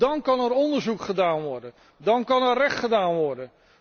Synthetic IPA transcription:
dɑnkɑnɛɹɔndəɹzukχədaːnʋɔɹdən | dɑnkɑnɛrɛχtχədaːnʋɔɹdən

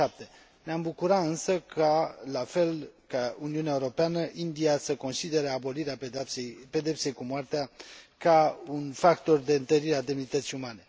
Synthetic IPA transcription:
ap̚t̪e | neambukuɾaɨnsəkʰalafe̞lkauniuneaeuɾo̞peanəʔind̪iasəko̞nsid̪e̞ɾeabo̞liɾeaepe̞d̪e̞pse̞jkumoart̪eakaunfakt̪o̞rd̪e̞ɨnt̪əɾiɾead̪emnit̪ət̪sijumane̞

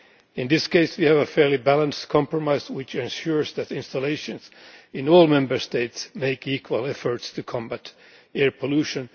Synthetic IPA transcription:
ɨ̃nðɪskʰeɪswiævəfɛɹlibælˠə̃nstkʰɑ̃mpɹɔmaɪzwɪt͡ʃɨ̃nʃʊɹzðɨɾɪ̃nstəleɪʃɨ̃nzɨ̃nɔlˠmɛ̃mbə˞steɪtsmeɪkikʰwəlˠɛfə˞tstʰɨkʰɑ̃mbæt | ɛɹpʰəlʉʃɨ̃n

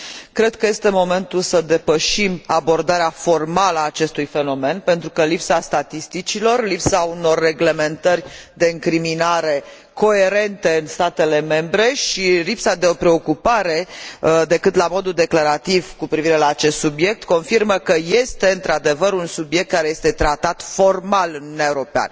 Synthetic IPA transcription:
kɾe̞d̪̥̚kəje̞st̪e̞mo̞me̞nt̪ulsəd̪e̞pəʃimabo̞rd̪aɾeafo̞rmaləaːt͡ʃe̞st̪ujfe̞no̞me̞npent̪ɾukəlipsast̪at̪ist̪it͡ʃilo̞rlipsauno̞rːe̞ɡle̞me̞nt̪ərʲd̪e̞ɨŋkɾiminaɾe̞ | ko̞e̞ɾe̞nt̪e̞ɨnst̪at̪e̞le̞me̞mbɾe̞ʃilipsad̪e̞o̞pɾe̞o̞kupaɾe̞d̪e̞kɨt̪lamo̞d̪uld̪e̞klaɾat̪ivkupɾiviɾe̞laːt͡ʃe̞st̪subje̞k̚t̪ko̞nfirməkəje̞st̪e̞ɨnt̪ɾad̪e̞vəɾunsubjek̚t̪̚kaɾe̞je̞st̪e̞t̪ɾat̪at̪fo̞rmalɨnuunaeuɾo̞pea̰nə

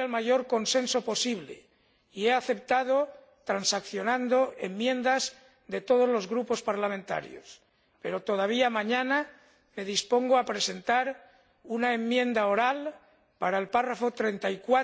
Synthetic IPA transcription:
elmaʝo̞ɾko̞nse̞nso̞po̞siβle̞̰ | ie̞aθe̞p̚t̪aðo̞ | t̪ɾansakθjo̞nãnd̪o̞emːjẽ̞nd̪az | ðe̞t̪o̞ð̞o̞zlo̞zɣɾupo̞spaɾlamẽnt̪a̰ɾjo̰s | pe̞ɾo̞t̪o̞ð̞aβ̞iamãɲãna | me̞ðispo̞ŋɡoapɾe̞se̞nt̪aɾ | unae̞mːjẽ̞nd̪ao̞ɾal | paɾaelparafot̪ɾe̞nt̪aikwa

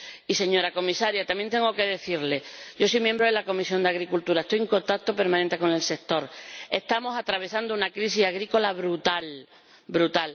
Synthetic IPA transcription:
ise̞ɲo̞ɾako̞misaɾjat̪amjent̪e̞ŋɡo̞ke̞ðe̞θiɾle̞ɟ͡ʝo̞sojmjembɾoðelako̞misjo̞nd̪eaɣɾikult̪uɾaest̪ojeŋko̞nt̪ak̚t̪o̞pe̞ɾmãnent̪e̞ko̞ne̞lse̞k̚t̪o̞ɾe̞st̪amo̞sat̪ɾaβ̞e̞sand̪ounakɾis̬isaɣ̞ɾiko̞laβɾut̪al | bɾut̪al

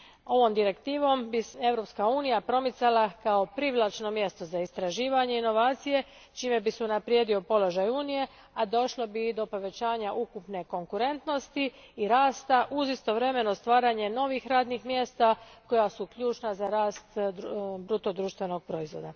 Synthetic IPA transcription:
o̞ʋo̞md̪iɾe̞kt̪iːʋo̞mbie̞vɾo̞pskauːnijapɾo̞mit̪salˠakao̞pɾiʋlˠat͡ʃno̞mje̞st̪o̞zaist̪ɾaʒiːʋaɲe̞ino̞ʋaːt̪sije̞ | t͡ʃiːme̞bisɛunapɾjed̪io̞po̞lo̞ʒajuːnije̞ | ad̪o̞ʃlˠobid̪o̞po̞ʋe̞t͡ɕaːɲaʔukupne̞ko̞ŋkuɾe̞nt̪no̞st̪iː | ɾaːst̪aʔuzist̪o̞ʋɾe̞me̞no̞st̪ʋaːɾaɲe̞no̞ʋixɾaːd̪nixmje̞st̪ako̞jasukʎʲuːt͡ʃnazaɾaːst̪bɾut̪o̞d̪ɾuːʃt̪ʋe̞no̞ɡ̚pɾo̞izʋo̞̰ːd̪a

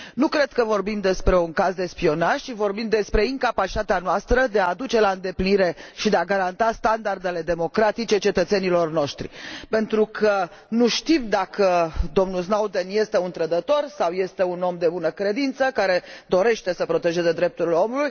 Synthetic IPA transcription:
nukɾe̞d̪kəvo̞rbimd̪e̞spɾe̞uŋkazd̪e̞spio̞naʃt͡ʃivo̞rbimd̪e̞spɾe̞iŋkapat͡ʃi̥t̪at̪eanoast̪ɾəd̪e̞ad̪ut͡ʃe̞laɨnd̪e̞pliniɾe̞ʃid̪e̞aɡaɾant̪ast̪and̪ard̪e̞le̞d̪e̞mo̞kɾat̪it͡ʃe̞t͡ʃe̞t̪ət̪se̞nilo̞rno̞ʃt̪ɾḭpe̞nt̪ɾukʰə | nuʃt̪imd̪akəd̪o̞mnuls̬nawd̪enje̞st̪e̞unt̪ɾəd̪ət̪o̞rsawje̞st̪e̞uno̞md̪e̞bunəkɾe̞d̪int̪səkaɾe̞d̪o̞ɾe̞ʃt̪e̞səpɾo̞t̪e̞ʒe̞zed̪ɾep̚t̪uɾileo̞muluj

